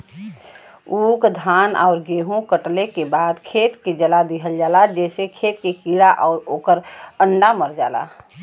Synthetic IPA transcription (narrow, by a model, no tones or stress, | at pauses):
uːkd̪ʱaːnɔ̰ʊɾɡeːɦũkəʈlekebaːd̪kʰeːt̪ked͡ʒəlad̪iɦəld͡ʒaːlad͡ʒɛːsekʰeːt̪̚kekiɽaʔɔʊɾoːkəɾəɳɖaməɾd͡ʒa̰ːla̰